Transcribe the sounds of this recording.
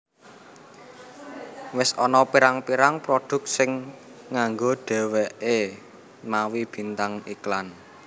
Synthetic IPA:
wɪsɔnɔpiɾaŋpiɾaŋpɾod̪̥ʊ̤k̚sɪŋː | aŋɡoɖ̥ɛ̤wɛʔe | mawib̥i̤nt̪aŋiklan

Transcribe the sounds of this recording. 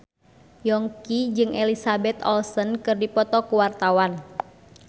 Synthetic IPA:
jɔŋkid͡ʒɨŋʔelisabɛt̪ɔ̰lsənkɨrdipɔt̪ɔkuwart̪awan

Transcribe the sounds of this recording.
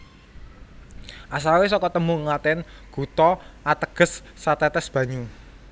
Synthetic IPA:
ʔas̬awes̬ɔkɔt̪əmuŋat̪ɛnɡ̥ṳt̪ɔat̪əɡ̥ə̤sː | at̪ɛt̪ɛsb̥ä̤ɲu

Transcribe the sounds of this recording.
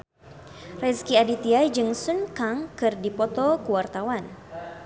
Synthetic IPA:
rɛskiadit̪iad͡ʒɨŋsunkaŋkɨrdipɔt̪ɔkuwart̪awan

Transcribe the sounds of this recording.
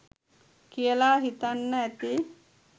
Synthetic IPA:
kijəlaːɦit̪anːəæt̪i

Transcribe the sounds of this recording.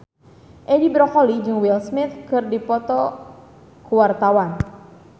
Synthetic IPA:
ʔɛdibɾɔkɔlid͡ʒɨŋwɪlsmɪt̪kɨrdipɔt̪ɔ | kuwart̪awan

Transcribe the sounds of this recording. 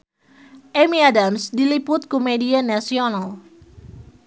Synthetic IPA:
ʔemiadamsdilipʊt̪̚komedianasiɔnal

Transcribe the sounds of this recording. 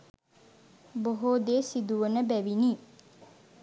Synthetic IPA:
boɦoːd̪eːsid̪uʋənəbæʋiniː

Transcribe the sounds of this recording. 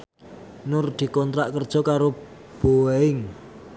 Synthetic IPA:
nʊrd̪̥i̤kɔnt̪ɾaʔkərd̥ʒ̥ɔ̤kaɾo | b̥oɪŋ

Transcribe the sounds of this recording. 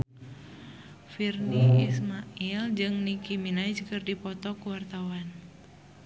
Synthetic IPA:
firniismaild͡ʒɨŋnikiminaid͡ʒkɨrdipɔt̪ɔkuwart̪awan

